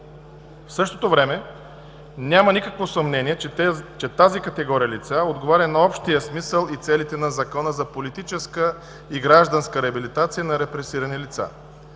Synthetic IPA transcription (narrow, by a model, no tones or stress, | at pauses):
fsɤʃt̪ot̪ovɾɛmɛ | nʲamɐnikəkvosɐmnɛniɛt͡ʃɛt̪azikɐt̪ɛɡɔɾijəlit̪saod̪ɡovaɾʲɐnɐɔpʃt̪ijəsmisəlˠit̪sɛlit̪ɛnɐzɐkɔnəzɐpolit̪it͡ʃɛskə | iɡɾaʒd̪ənskəɾɛɐbilit̪at̪sijənɐɾɛpɾɛsiɾɐnilit̪sa̰